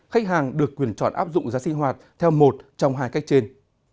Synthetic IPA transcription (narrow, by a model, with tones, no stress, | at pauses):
xa˦˥k̚ɦaː˨˩ŋɗɨ˨˩əkːwi˨˧˩ənt͡ɕɔ̰˧˩nʔa̰ː˦˥p̚zʊ̰˧˨ŋ͡mzaː˨˦sï˧ŋ̟ɦwaː˨˩t̚t̪ʰɛ˧wmo˨˩t̚t͡ɕɔ˧wŋ͡mɦaː˧jka˦˥jk̚t͡ɕe˧n